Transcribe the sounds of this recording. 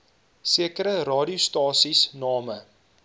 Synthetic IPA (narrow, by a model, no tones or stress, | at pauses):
siəkəɾəɾɑːɾiustɑːsisnɑːmə